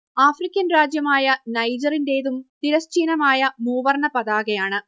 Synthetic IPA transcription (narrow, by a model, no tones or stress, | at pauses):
aːfrikʲːɐnraːd͡ʑjɐmaːjɐnɐjd͡ʑɐrinde̞ːðumt̪iɾɐst͡ɕiːnɐmaːjɐmuːʋɐrɳɐpɐðaːɣɐjaːɳɨ